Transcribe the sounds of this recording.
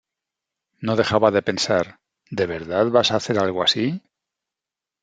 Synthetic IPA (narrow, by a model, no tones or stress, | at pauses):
no̞ðexaβaðe̞pe̞nsaɾ | d̪e̞β̞eɾðaðβasaːθe̞ɾalɣoasi